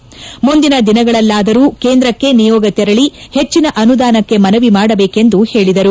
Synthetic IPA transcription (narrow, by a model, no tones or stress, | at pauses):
mund̪inɐd̪inɐɡɐɭɐlːaːd̪ɐɾuːke̞ːnd̪ɾɐkːe̞nijɔːɡɐt̪ɛɾɐɭihe̞t͡ʃːinɐʔɐnud̪aːnɐkːe̞mɐnɐʋimaːɽɐbe̞ːke̞nd̪uhe̞ːɭid̪ɐɾu